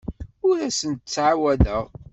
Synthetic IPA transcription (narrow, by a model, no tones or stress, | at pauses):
ʊɾæsənt̪ət͡sːʕawæðəʁ